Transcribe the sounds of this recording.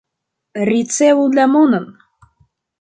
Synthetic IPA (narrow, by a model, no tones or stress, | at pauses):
rʲit̪t͡seullʲæmonɤ̆n